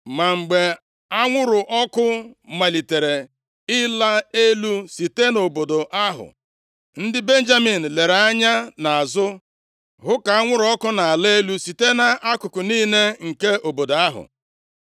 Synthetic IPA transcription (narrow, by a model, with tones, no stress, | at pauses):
ma˨ŋ͡m̩˨ɡ͡be˨ | a˦ŋʷʊ˦ɾʊ˨ʔɔ˦kʊ˦ma˨li˨te˨ɾe˨ | ɪ˦la˦e˦lu˦si˨te˦no˨bo˨do˨ʔa˦ɦʊ̰˨ | n̩˦dɪ˦be˦n̩˦d͡ʒa˦mi˨n̩˨le˨ɾa˦ɲa˦na˨a˨zʊ˦ | ɦʊ˦ka˨a˦ŋʷʊ˦ɾɔ˦kʊ˦na˨a˨le˦e˦lu˦si˨te˦na˨ʔa˦kʊ˨kʊ˨niː˦ne˦ŋ̩˨ke˦ʔo˨bo˨da˦ɦʊ̰˨